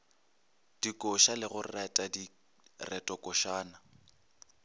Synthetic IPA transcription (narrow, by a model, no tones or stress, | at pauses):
d̥ikʼoʃalɪɣʊrɛtʼadi | rɛtʼɔkʼʊʃaːna